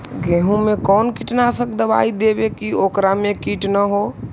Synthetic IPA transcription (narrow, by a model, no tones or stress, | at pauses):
ɡeɦũmekɔːnkiʈnasə̃kd̪əba̰id̪ebekiokɾamekiʈnəɦo